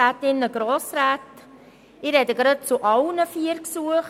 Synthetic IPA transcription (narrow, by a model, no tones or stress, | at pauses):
aːtɪnəɡɾoːsɾaːt | ɪɾɛdəɡɾɑt̚t͡sʊʔɑlnəfiəɾksuəχ